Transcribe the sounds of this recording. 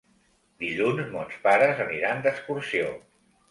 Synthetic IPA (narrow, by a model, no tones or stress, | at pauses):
d̪iʎunzmɔlspaɾəzəniɾand̪əkskuɾsio